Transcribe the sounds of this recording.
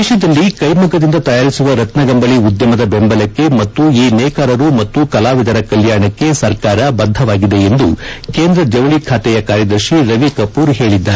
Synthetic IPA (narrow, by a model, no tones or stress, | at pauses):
eʃɐd̪ɐlːikɐjmukɐd̪ind̪ɐt̪ɐjaːɾisuʋɐɾɐt̪nɐɡɐmbɐɭiud̪jɐmɐd̪ɐbembɐlɐkːe̞mɐt̪ːuiːnɛːkaːɾɐɾumɐt̪ːukɐlaːʋid̪ɐɾɐkɐljaːɳɐkːe̞sɐɾkaːɾɐbɐd̪ʱːɐʋaːɡid̪e̞end̪ukeːnd̪ɾɐd͡ʒ̪ɐʋɐɭikʰaːt̪ɛjɐkaːɾjɐd̪ɐɾʃiɾɐʋikɐpuːɾɦe̞ːɭid̪ːaːe